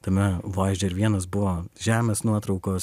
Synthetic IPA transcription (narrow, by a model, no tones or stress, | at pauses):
t̪ɐmʲɛʋɐɪʒʲd͡ʒʲɛɪɾʋʲiɛnɐs̬bʊʋoːʒʲæːmʲeːsnuɔt̪ɾɒʊkoːs